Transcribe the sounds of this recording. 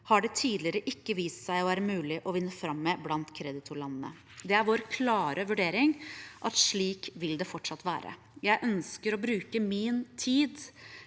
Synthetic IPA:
hɑɖɛt̪ʰiːd̪lɪəɾəʔɪkːəʋiːst̪sæɪɔæːɾəmʉːlɪʔɔʋɪnːəfɾɑmːeːblɑnt̪kʰɾɛd̪ɪt̪ʰʊɭɑnːənə̰ | d̪ɛæɾʋoːɾkʰlɑːɾʔəʋʉɖeːɾɪŋʔɑt̪ʂɭiːkʋɪld̪ɛfɔʈʂɑt̪ːʋæːɾə̰ | jæɪʔœnskəɾɔbɾʉːkəmɪnt̪ʰiːd̪

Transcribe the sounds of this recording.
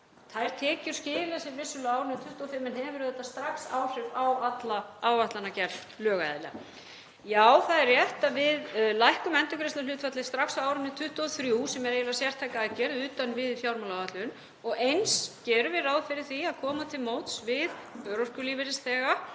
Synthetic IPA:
θajɾ̥t̪ʰɛːcʏɾ̥scɪːðɪlasɛɾvɪsʏlʏaːwɾʏnɪt̪ʰʏht̪uɔfɪmːɛnɦɛvʏɾθɛht̪ːast̪ɾaksaːwr̥ɪɾawat̪laaːwaht̪lanacɛɾl | lœːɣaɛ̰ðɪlɪa̰ | jaːwθaðɛrrjɛht̪avɪðlajhkʏmɛnt̪ʏkɾɪst̪alʏːt̪fat̪lɪ̥st̪ɾaksawawɾʏnɪt̪ʰʏht̪uɔθɾjuːsɛmɛɾejlasjɛr̥t̪ʰajkaacɛɾðʏːt̪anvɪðfjawɾmalawvaht̪lʏn | ɔɣejnscɛːɾʏvɪɾaːwðfɪɾɪɾ̥θiaðkʰɔːmat̪ʰɪlmowt̪svɪðœɾɔr̥kʏliːvɪɾɪsθɛːɣa

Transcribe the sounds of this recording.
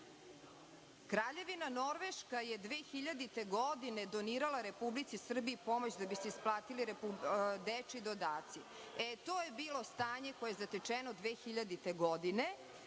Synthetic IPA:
kɾaːʎe̞ʋinano̞ɾʋeʃkajed̪ʋeːxiʎad̪it̪eɡod̪ined̪oniːɾalˠaɾe̞publit̪sisr̩biːpo̞mot͡ɕd̪abiseisplˠaːt̪iliɾepud̪et͡ʂid̪od̪aːt̪si | et̪oːjebiːlo̞st̪aːɲekojeezat̪et͡ʂenod̪ʋeːxiʎad̪it̪eɡod̪ine

